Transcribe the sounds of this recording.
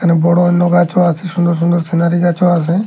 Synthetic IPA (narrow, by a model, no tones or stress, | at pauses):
ənebɔɽonnoɡat͡ʃoasesʊ̃nd̪əɾsʊ̃nd̪əɾsenaːɾiɡaːt͡ʃoase